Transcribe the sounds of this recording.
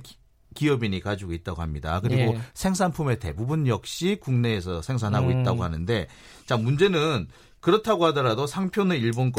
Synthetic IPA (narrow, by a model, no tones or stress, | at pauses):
kiʌbiɲikad͡ʑiɡoit̚t͈aɡoɦamɲida̰kɯɾiɡosʰe̞ŋs̬ʰanpʰume̞te̞̰bubunjʌk̚ɕ͈ikuŋne̞ːs̬ʰʌsʰe̞ŋs̬ʰanɦaɡoit̚t͈aɡoɦanɯnde̞ | t͡ɕamund͡ʑe̞nɯn | kɯɾʌtʰaɡoɦadʌɾadosʰaŋpʰjoneiɭbonk͈